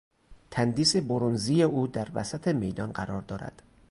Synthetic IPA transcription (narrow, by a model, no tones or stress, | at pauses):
t̪ʰænd̪iːse̞boɾonziːjeʔuːd̪æɾvæ̰sæt̪ʰe̞me̞jd̪ɒːnɢæɾɒːɾd̪ɒːɾæ̰d̪̥